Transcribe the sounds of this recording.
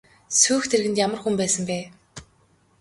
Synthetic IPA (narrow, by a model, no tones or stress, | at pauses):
suːxt̪ʰerɣɘ̆nt̪jamə̆rxumpæːsə̆mpæː